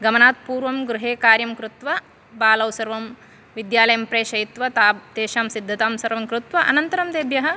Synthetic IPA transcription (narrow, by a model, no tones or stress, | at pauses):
ɡɐmɐnaːt̪̚puːɾʋɐmɡɾuɦeːkaːɾjɐmkɾut̪ʋɐ | baːlɐwsɐɾʋɐm | ʋid̪jaːlɐjɐmpɾeːʃɐjit̪ʋɐt̪aːt̪eːʃaːmsid̪ʱːɐt̪aːmsɐɾʋɐmkɾut̪ʋɐʔɐnɐnt̪ɐɾɐmd̪eːbjɐɦɐ